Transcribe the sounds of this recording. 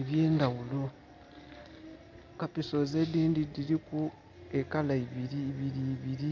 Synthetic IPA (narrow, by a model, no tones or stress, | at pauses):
eβje̞ːndawulo̞ | kapiso̞ze̞diːndidiɾiku | ekalaiβiɾiβiɾiːβiɾi